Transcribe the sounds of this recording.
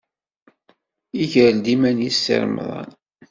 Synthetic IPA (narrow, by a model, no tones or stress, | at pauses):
iʝəɾld̪imænjisːḭɾmðˤɑ̰n